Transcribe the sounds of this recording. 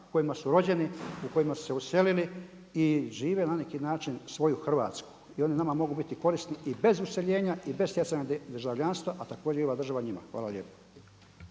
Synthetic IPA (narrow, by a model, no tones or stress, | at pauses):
uko̞jimasuɾo̞d͡ʑe̞niuko̞jimasu̥se̞use̞lili | iʒiːʋe̞nanekinaːt͡ʃinsʋo̞juxr̩ʋa̰ːt̪sku̥ | io̞ninamamo̞ɡubit̪iko̞ɾisniibe̞zuse̞ʎe̞ːɲaibe̞st̪jesaɲad̪rʒaʋʎanst̪ʋaʔat̪ako̞ːd͡ʑeio̞ʋaːd̪r̩ʒaʋaɲima̰xʋa̰ːlalʲʎjeːpo̥